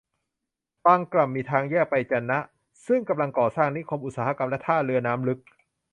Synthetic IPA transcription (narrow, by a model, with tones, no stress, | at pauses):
t̪aː˧ŋkla˨˩m̚ːiː˧t̪ʰaː˧ŋjɛː˥˩k̚pa˧jt͡ɕa˧˩nːa˦˥ʔ | sɯ˥˩ŋka˧mla˧ŋkɔː˨˩saː˥˩ŋni˦˥kʰo˧mʔu˨˩saː˩˦ha˦˥ka˧mlɛ˦˥t̪ʰaː˥˩lɯ˧ɐnaː˦˥mlɯ˦˥k̚